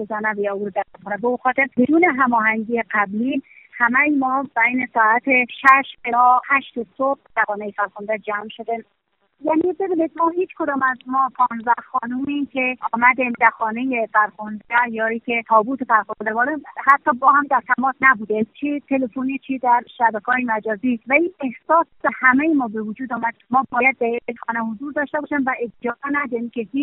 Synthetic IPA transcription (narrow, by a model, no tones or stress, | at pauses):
ɡezænævjɒuːɾod̪æɾæt̪̚kʰonæbeuxɒːt̪ʰeɾb̥ed̪uːneɦæmɒːhæŋɡiːjeqæbli | hæmæjimɒːbæjnesɒːæt̪ʰeʃæʃeɒːhæʃt̪esob̥̚d̪̥æxɒːnejefæɾxond̪æd͡ʒæmʃod̪e | jænibe̞biːnid̪̚mɒːɦiːt͡ʃkod̪ɒːmæzmɒːpʰɒːnzæxɒːnumikʰeʔɔːmæd̪imd̪æɾxɒːnejefæɾxond̪æjɒːiːkʰʲet̪ʰɒːbuːt̪ʰefæɾxond̪æɾbɒːɾehæt̪ʰːɒːbɒːhæmd̪æɾt̪ʰæmɒːsnæbuːd̪et͡ʃʰit̪ʰe̞lefonit͡ʃʰid̪æɾʃæbækʰɒːjemæd͡ʒɒːziːvæiːne̞hsɒːsd̪æhæmejemɒːbe̞vod͡ʒuːd̪ɒːmæd̪̚mɒːbɒːjæd̪̚ːæɾiɾekxɒːnæhozuːɾd̪ɒːʃt̪ebɒːʃæmvæed͡ʒɒːʔenæd̪ɛɾimkʲʰehiːt͡ʃ